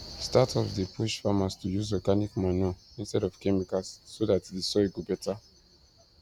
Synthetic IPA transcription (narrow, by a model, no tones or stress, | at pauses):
statʰɔvdəpʰuʃfamastujuzɔɡanikmanɔĩnstɛɾɔv̥kɛmikasːoðatdesɔɡobɛtʰa